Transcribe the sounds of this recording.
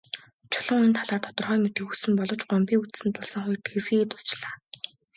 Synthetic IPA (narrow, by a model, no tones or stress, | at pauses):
t͡ɕʰʊɮə̆ŋent̪ʰaɮaːrt̪ʰɔ̥t̪ɞ̆rχœːmet̪ɡɘ̆xusɘ̆mpɔɮɞ̆t͡ɕɢɔmpʲiːŋut̪sɘ̆nt̪ʊɮsə̆ŋχʊjrt̪ʰesɡiːɣet̪ʊɮt͡ɕɮaː